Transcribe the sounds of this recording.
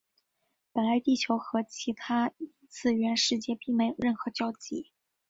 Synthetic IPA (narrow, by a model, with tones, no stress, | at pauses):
pə˨˩nla˧˥ɪt̪i˥˩t͡ɕʰjo˧˥ʊxɤ˧˥t͡ɕʰi˧˥t̪ʰa˥i˧˥t͡sʰɹ̩˥˩ɥɛ˧˥nʂɻ̩˥˧t͡ɕjɛ˥˧pi˥˩ŋme˧˥ɪjo˨˩ʊɻə˥˩nxɤ˧˥t͡ɕjɑ˥ʊt͡ɕḭ˧˥˩